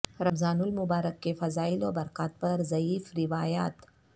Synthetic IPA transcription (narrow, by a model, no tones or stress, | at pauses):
ɾɐmzaːnʊlmʊbaːɾəkːefɐzaːilobɐɾkaːt̪̚pɐɾzɐiːfɾɪʋaːja̰ːt̪